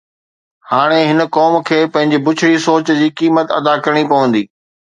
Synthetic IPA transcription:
haːɽ̃eɦɪnkɔːmkʰeːpɐ̃ɦɪ̃ɲd͡ʑebʊt͡ɕʰɽisoːt͡ɕd͡ʑiːkiːmət̪ɐ̰d̪akɐɾəɽ̃ipɐʋə̃nd̪iː

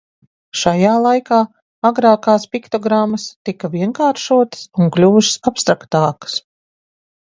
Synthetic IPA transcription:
ʃajaːlˠajkaː | aɡɾaːkaːspikt̪ɔɡɾamːɐst̪ikɐviɛŋkaːɾʃuɔt̪ə̥suŋklʲuːʃsapst̪ɾakt̪aːkə̥s

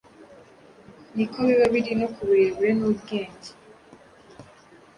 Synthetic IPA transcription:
nikʰoβiβaβiɾinokuβeːɾenobɡeːɲɟe̥

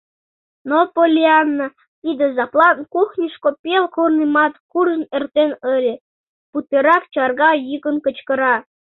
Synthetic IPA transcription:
nopolʲiɑnːə | t̪id̪ə̆zɑplˠɑnkuxnʲiʃkopʲelkornimɑt̪kurənert̪enəlʲĕ | put̪eɾɑkt͡ɕɑrɣɑjikənkə̆t͡ɕkə̆ɾɑ

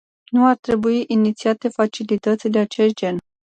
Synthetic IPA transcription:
nuart̪ɾe̞buiʔinit̪siat̪e̞fat͡ʃilit̪ət̪sʲd̪e̞at͡ʃe̞st̪̚d͡ʒe̞n

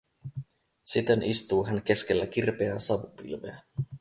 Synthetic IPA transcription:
sit̪enʔist̪uːɦænk̟e̞sk̟elːæk̟irpeæsɑʋupḭlʋḛæ

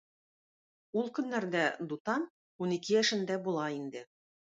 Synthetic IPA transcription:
ulˠkɵ̆nːæɾd̪æd̪ut̪ɑn | unikɘjæʃɘ̆nd̪æbulˠɑind̪ɘ

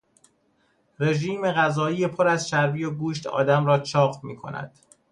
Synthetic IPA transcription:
re̞ʒiːme̞ɣæzɒːiːjepʰo̞ɾæzʃæɾviːjoɡuːʃt̪ɒ̰ːd̪æmɾɒːt͡ʃʰɒːχmiːkʰo̞̰næ̰d̪̥

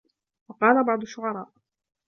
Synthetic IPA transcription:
wɑqɑːlabɑʕd̪ˤʊʃːʊʕɑɾˤɑ̰ːʔ

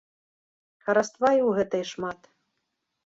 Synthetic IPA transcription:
xɐɾast̪vajwɣɛt̪ɐjʂmat̪

